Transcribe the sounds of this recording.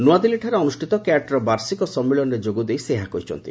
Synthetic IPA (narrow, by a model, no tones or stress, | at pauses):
nuad̪iliʈʰaɾeɔnusʈʰit̪ɔkaʈɾɔbaɾsikɔsɔmːiɭɔned͡ʒoɡud̪ejseɦakɔɦit͡ʃʰɔ̰nt̪ḭ